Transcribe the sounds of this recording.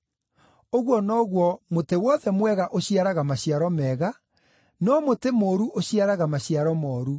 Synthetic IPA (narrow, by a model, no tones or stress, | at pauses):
oɣwɔnɔɣwɔmotewɔðɛmwɛɣaʔoɕiaɾaɣamaɕiaɾɔmɛːɣa | nɔmotemoːɾuʔoɕiaɾaɣamaɕiaɾɔmɔːɾu